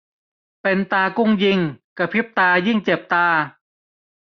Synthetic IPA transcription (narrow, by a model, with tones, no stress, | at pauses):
pe˧nt̪aː˧ku˥˩ŋji˧ŋka˧˩pʰi˦˥p̚t̪aː˧ji˥˩ŋt͡ɕe˨˩p̚t̪aː˧